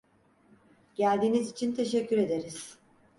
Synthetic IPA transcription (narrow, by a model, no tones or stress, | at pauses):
ɟ̥ælʲd̪iːnizit͡ʃʰint̪ʰe̞ʃɛcːyɾe̞d̪e̞ɾiz̥